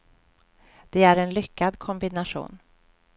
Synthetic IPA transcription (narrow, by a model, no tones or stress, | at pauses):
d̪̥ɛæɾɛnlʏkːad̪kʰɔmbɪnaʂṵːn